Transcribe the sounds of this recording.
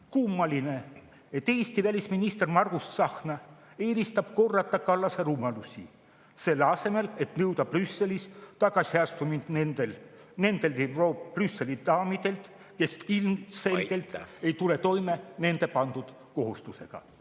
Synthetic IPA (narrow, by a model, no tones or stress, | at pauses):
kumːɑline̞ | et̪ːˑe̞ːst̪ivælʲisminist̪e̞rmɑrɡ̥ust̪sɑxnɑ | e̞ːɾist̪ɑb̥̚ko̞rːɑt̪ːˑɑkɑlːɑseɾumɑlusʲḭ | se̞lːeɑse̞me̞le̞t̪nɤwd̪ɑprysːe̞list̪ɑɡɑsʲhɑst̪umint̪nenel | ne̞nd̪̥e̞lt̪eroprysːe̞lid̪ɑːmid̪̥e̞lt̪ | ke̞silmse̞lɡ̥e̞lt̪ejt̪ule̞t̪o̞jme̞ne̞nd̪e̞pɑnd̪ud̪̥ | ko̞ɦust̪use̞ɡ̥ɑ̰